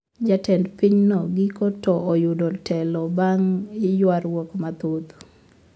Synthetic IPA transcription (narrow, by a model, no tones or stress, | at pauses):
d͡ʒatɛndpiɲnɔɡikɔtɔːjudɔtʰɛlɔbaŋɪjwaɾwɔkmat̪ot̪